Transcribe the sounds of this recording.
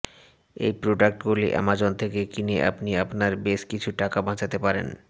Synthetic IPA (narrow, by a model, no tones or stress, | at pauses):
ḛjpɾoɖak̚ʈɡuliʔa̰mad͡ʑont̪ʰekekineʔa̰pnia̰pnaɾbeʃkit͡ɕʰuʈakabʱãd͡ʑat̪epaɾḛn